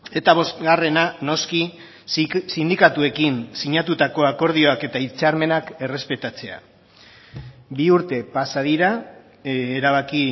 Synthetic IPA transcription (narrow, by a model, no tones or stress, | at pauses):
e̞t̪aβ̞o̞st̪ɣare̞nano̞ski | sind̪ikat̪ue̞kinsiɲat̪ut̪ako̞ako̞ɾð̞io̞ake̞t̪ait͡saɾme̞nake̞re̞spe̞t̪at͡se̞a̰ | biuɾt̪e̞pasaðiɾa | eɾaβ̞aki